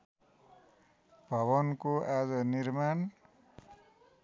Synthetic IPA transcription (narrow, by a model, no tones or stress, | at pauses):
b̥ʱʌβʌnkoʔad͡zʌnirman